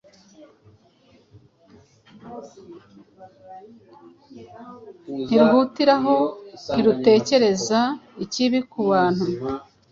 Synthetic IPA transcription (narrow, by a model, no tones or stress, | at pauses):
n̥iɾhuːtiɾaɦo̞niɾute̞ːce̞ɾe̞zaiciβikuβaːn̥hu